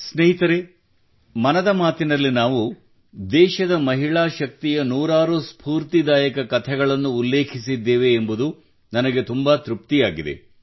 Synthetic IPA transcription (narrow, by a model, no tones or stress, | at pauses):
sneɦit̪ɐɾe | mɐnɐd̪ɐmaːt̪inɐlːinaːʋu | d̪ɛːʃɐd̪ɐmɐɦiɭaːʃɐk̚t̪ijɐnuːɾaːɾuspʰuːɾt̪id̪aːjɐkɐkɐt̪ʰɛɡɐɭɐnːuːlːe̞ːkʰisid̪ːeːʋe̞ːmbud̪u | nɐnɐɡet̪umbɐt̪ɾup̚t̪ijaːɡid̪e̞̰